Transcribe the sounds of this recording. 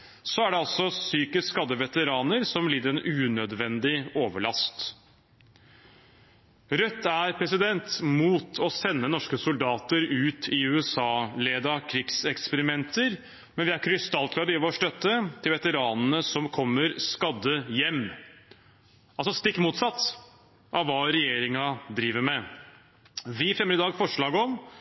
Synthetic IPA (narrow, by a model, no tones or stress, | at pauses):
sɔæɖɛɑlsɔsyːkəsskɑd̪ːəʋɛt̪əɾɑːnəɾsɔmliːd̪əɾɛnʉːnœd̪ʋɛnd̪ɪoːʋəɭɑst̪ | ɾœt̪ʰːæɾpʰɾɛsɪd̪ɛnt̪muːt̪ʰɔsɛnːənɔʂkəsʊld̪ɑːt̪əɾʉːt̪ʰɪʉːɛsɑːleːd̪ɑkʰɾɪɡsɛkspəɾɪmɛnt̪əɾ | mɛnʋɪæɾkʰɾɪst̪ɑlk̪ʰlɑd̪ɪʋoːʂʈ̪œt̪ːət̪ʰɪlʋɛt̪əɾɑːnənəsɔmkʰɔmːəɾskɑd̪ːəjɛmː | ɑlsɔst̪ɪkːmuːt̪sɑt̪ː | ʔɑʋʋɑːɾɛjeːɾɪŋɑd̪ɾiːʋəɾmɛ | ʋɪfɾɛməd̪ɪd̪ɑːɡfɔʂɭɑːɡəɔm